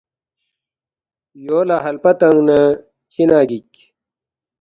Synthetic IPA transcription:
joːlaːɦɐlpɐt̪ɐŋnɐ | t͡ɕinaːɡikʲ

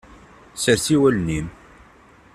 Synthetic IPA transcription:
səɾθiwælnim

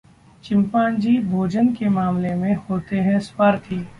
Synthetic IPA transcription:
t͡ʃɪ̃mpãːnd͡ʒiːbʱoːd͡ʒənkemaːmlemẽhoːt̪eɦɛ̃spaːɾt̪ʰiː

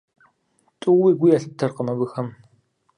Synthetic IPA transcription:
tʼuːwiːɡʷʊjɐɬtʰːɐrqəmɐbɨxɐm

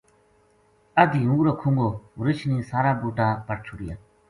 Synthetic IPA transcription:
əd̪ʱiːɦũːɾoːkʰũːŋɡoːɾɪt͡ʃʰniːsaːɾaːbuːʈaːpəʈ̚t͡ʃʰʊɽɪjaː

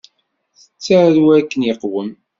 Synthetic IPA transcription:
θət͡sːæɾuækːənjəqwəm

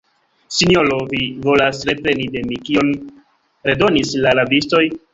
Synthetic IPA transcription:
sino̞lo̞vivo̞lasɾe̞pɾe̞nide̞mikio̞n | ɾe̞do̞nislaɾavisto̞j

